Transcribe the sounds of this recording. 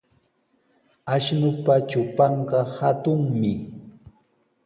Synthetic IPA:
aʃnʊpat͡ʃʊpɑɴɢɑhat̪ʊŋmɪ

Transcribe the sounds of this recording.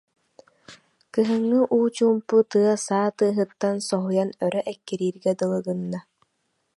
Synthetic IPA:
kɯɦɯŋːɯʔuːt͡ɕuːmput̪ɯɐsaːt̪ɯːɦɯt̪ːansɔɦujanœɾœʔɛkːiɾiːɾɡɛd̪ɯlˠɯɡɯnːa

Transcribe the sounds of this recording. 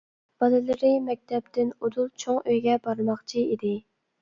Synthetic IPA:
b̥ɑlɨlˠɨɾɨmɛk̚ʲt̪ʰɛp̚t̪ɪnud̪ulˠt͡ʃʰoŋøjɡʲɛbɑɾmɑχt͡ʃʰiid̪ɪ

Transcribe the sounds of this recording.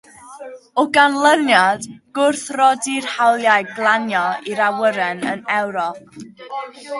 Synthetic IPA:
ɔɡanlˠənjadɡ̥ʊrθrɔdirhawlˠjaɨɡlˠanjɔiɾawəɾɛnə̰nɛwɾɔp̚

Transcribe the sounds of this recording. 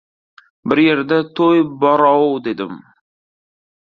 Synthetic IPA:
bɪɾje̞ɾd̪at̪ʰojbɒɾɑwd̪e̞d̪ɪm

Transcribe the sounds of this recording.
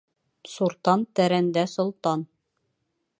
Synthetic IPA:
suɾt̪ɑnt̪æɾænd̪æsŏlˠt̪ɑn

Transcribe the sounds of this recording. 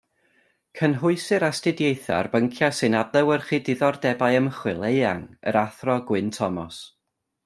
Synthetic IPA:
kʰənɦʊɨsɨɾastɪdjejθa̰rbəŋkʰjasɨnadlˠɛwərχidɪðɔrdɛbajəmχwɪlˠejaŋə̰ɾaθrɔɡwɪntʰɔmɔs

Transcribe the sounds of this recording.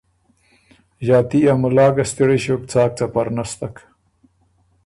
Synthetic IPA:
ʑaːt̪iamulɑːɡɐst̪iɽeɕoːk̚t͡saːk̚t͡sapɐɾnast̪ak

